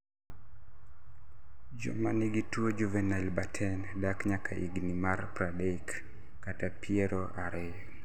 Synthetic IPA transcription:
d͡ʒɔ̰maniɡitwod͡ʒuvɛnalbatʰɛndakɲakʰaʔḭɡnimarpɾadeikː | atapiɛɾoʔaɾe

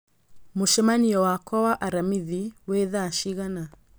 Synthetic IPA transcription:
moʃɛmaniɔwakɔwaʔaɾamiðiweðaʃiɣana

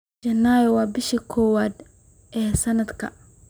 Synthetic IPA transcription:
d͡ʒɐnːaːjwɑːbɪʃɐkʰɔːwaːd̪ | ʔɛːsɐnɐd̪kʰɐ̰

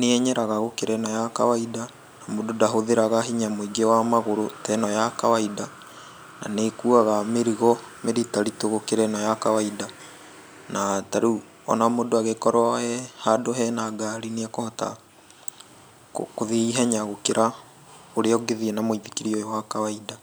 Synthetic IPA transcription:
neɛɲɛɾaɣaɣokeɾɛnɔjaka̰waida | namododaɦoðeɾaɣaɦiɲamoiɡewamaɣoɾotɛnɔjakawaida | na̰nekuaɣameɾiɣɔ | meɾitaɾitoɣokeɾɛnɔjakawaida | nataɾu | ɔ̰namodoaɣekɔɾwahɛhadoɦɛnaɡaɾineakohɔta̰ | kkoðeiɦɛɲaɣokeɾa | oɾeɔɡeðiɛnamoiðikiɾiɔjɔwakawaida

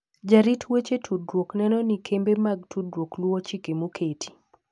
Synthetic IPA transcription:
d͡ʒaɾitwet͡ʃetʰudɾwoknɛnɔnikʰembemaɡ̚tʰudɾwoklwɔt͡ʃikemokʰetʰi̥

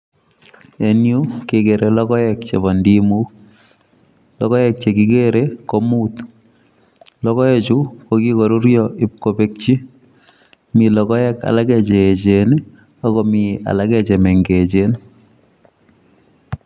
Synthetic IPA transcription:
enjukekeɾelɔkɔjɛkt͡ʃeβɔndimu | lɔkɔjɛk̚t͡ʃekikeɾekomut̪ | lɔkɔjɛt͡ʃukokikɔɾuɾjɔʔip̚kopek̚t͡ʃi | milɔkɔjɛka̰lakɛt͡ʃeet͡ʃen | ɔkɔmia̰lakɛt͡ʃɛmɛŋɡet͡ʃen

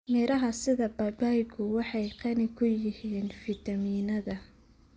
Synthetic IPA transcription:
mɪɾɐɦɐsɪðɐbɐbajɡʰʊwɑħɑjqɑnɪkʰʊjɪhiːnfɪt̪ʰɐmiːnɐðɐ

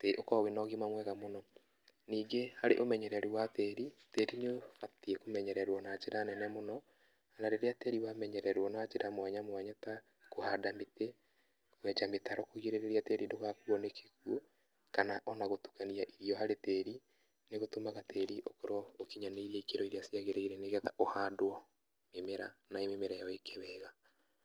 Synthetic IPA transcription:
teokɔwenɔɣimamwɛɣamonɔ | niːɡehaɾeʔomɛɲɛɾɛɾuwatɛːɾitɛɾineofatiekomɛɲɛɾɛɾwɔnad͡ʒeɾanɛnɛmonɔ | anaɾeɾeatɛɾiwamɛɲɛɾɛɾwɔnad͡ʒeɾamwaɲamwaɲata | kohadamete | kwɛd͡ʒametaɾɔkoɣiɾeɾeɾiatɛɾidoɣakuɔnekʰekwo | kanaʔɔnaɣotu̥kaniaʔiɾiɔhaɾetɛɾi | neɣotomaɣatʰɛɾiʔokoɾwɔokiɲaneiɾɛikeɾɔiɾeasiaɣeɾeiɾɛneɣɛtaʔohadwɔ | memeɾa̰naememeɾajɔekeβɛɣa

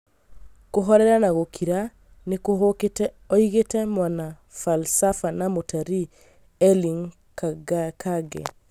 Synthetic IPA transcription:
koɦɔɾɛɾanaɣokʰiɾa | neko | ɔiɣetɛmwana | falsafanamotʰaɾi | ɛliŋ | kaɡkʰaɡɛ̰

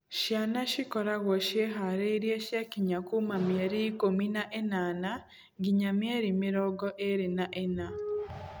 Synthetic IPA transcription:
ʃjanaʃikoɾaɣoʃjeɦaɾeɾjeʃjakiɲakumamjeɾikominaʔenana | ɡiɲamjeɾimiɾoɡoʔeɾinaʔena

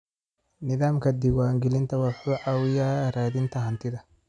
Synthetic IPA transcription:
nɪðaːmkʰɐd̪ɪwaːŋɡɛlɪnt̪ʰɐwɑfuːʕaːwɪjaːɾaːðɪnt̪ʰɐɦɐnt̪ʰɪðɐ

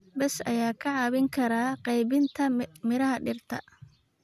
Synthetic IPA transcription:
bɛsɐjaːkʰɐʕɑːβɪŋkʰɐɾaːqɛjβɪnt̪ʰɐmɪɾɐɦɐɖɪrt̪ʰɐ

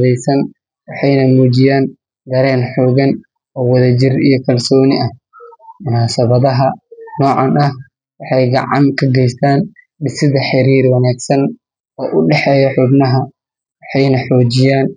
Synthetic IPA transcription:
ðɛjsɐn | wɑħɑjnɐmuːd͡ʒɪjaːn | d̪ɐɾɛːnħɔːɣɐn | ɔːwɐðɐd͡ʒɪrijɔkʰɐlsɔːnɪʔɐh | mʊnaːsɐβɐðɐɦɐnɔːʕɑnɐh | wɑħɑjɡɑ̰ʕɑ̰ŋkʰɐɡɛjst̪ʰaːn | ɖɪsɪðɐħɪɾiːrwɑnaːɡsɐn | ɔːʔʊɖɛħɛːjɔħʊbnɐɦɐ | wɑħɑjnɐħɔːd͡ʒɪjaːn

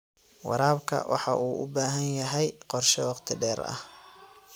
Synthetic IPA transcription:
wɑ̰ɾaːbkʰɐ̰wʔɑ̰ħɑʔuːʔʊbaːɦɐnjɐɦɛjqɔrʃɛwɑqt̪ʰɪɖɛːɾɐ̰h

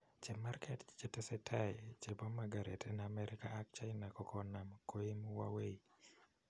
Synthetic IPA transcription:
t͡ʃemarkʰɛtt͡ʃetɛsɛtʰajt͡ʃebɔmːaɡaɾetʰɛnaːmɛɾikaːk̚t͡ʃaɪnakɔkɔnamkoemuwa̰wei

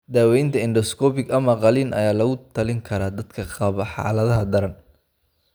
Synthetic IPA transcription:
d̪aːwɛjnt̪ʰɐɪnɖɔskʰɔːpɪɡɐmɐqɑliːnɐ̰jaːlɐɣʊt̪ʰɐlɪŋkʰɐɾaːd̪ɐd̪kʰɐqɑβɐħɑ̰ːlɐðɐɦɐd̪ɐɾɐn

